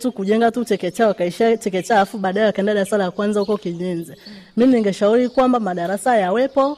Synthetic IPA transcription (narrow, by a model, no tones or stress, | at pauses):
tukuʄɛŋɡatut͡ʃɛkɛt͡ʃawakaiʃat͡ʃɛkɛt͡ʃalafuɓaːɗaɛwakaɛndaɗaɾasalakwanzahukɔkiɲɛnzɛ | miniŋɡɛʃauɾikwambamaɗaɾasajawɛpɔ